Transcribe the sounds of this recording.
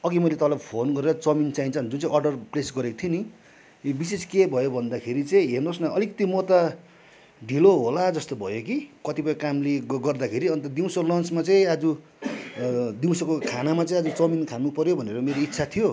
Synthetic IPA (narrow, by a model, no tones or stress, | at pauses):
ʌɡimʌjlet̪ʌbalapʰonɡʌɾeɾʌt͡sʌmint͡saint͡sʰʌʌnd͡zunt͡saĩʌrɖʌrplesɡʌɾekot̪ʰioni | biseskebʱʌjobʱʌnd̪akʰeɾit͡sʌĩɦernosnʌʌlikʌt̪imot̪a | ɖʱiloɦolad͡zʌst̪obʱʌ̰jokikʌt̪ipʌjkamleɡʌrd̪akʰeɾiʌnt̪ʌd̪iw̃sʌlʌnt͡smat͡sʌĩʌd͡zu | d̪iw̃sʌkokʰanamat͡sʌĩʌd͡zut͡sʌminkʰanupʌɾjobʱʌneɾomeɾoit̪ːsʰat̪ʰijo